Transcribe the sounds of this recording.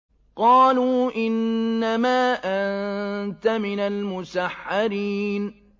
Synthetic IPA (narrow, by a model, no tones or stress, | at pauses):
qɑːluːʔɪnːamaːʔant̪amɪnalmʊsaħːaɾiːn